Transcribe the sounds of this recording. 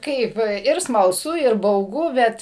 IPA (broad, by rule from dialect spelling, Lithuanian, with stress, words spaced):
ˈkɐɪp ɪr smɐlˠˈsʊ ɪr bɐʊˈɡʊ ˈbʲɛt